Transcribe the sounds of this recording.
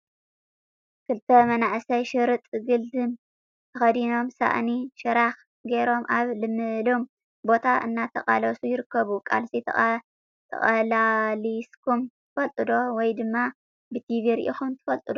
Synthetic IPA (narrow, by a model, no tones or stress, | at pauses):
kʰɨlt̪ʰɐmɐnaʔsɐjʃɨɾɨt̪ʼɡɨld̪ɨm | t̪ʰɐxɐd̪ino̞msa̰ʔniʃɨɾax | ɡeɾo̞mʔaβlɨmːɨlom | bo̞t̪ʰaʔɨ̰nːat̪ʰɐχʼa̰lɐsujɪɾɨkːɐβukʼa̰lsi | t̪ʰɐ̰χʼɐlaliskʰumt̪ɨfɐlt̪ʼɨd̪o̞wɔjd̪ɨmːa | bɨt̪ʰiviɾʔḭxunt̪ʰɨ̥fɐlt̪ʼɨd̪o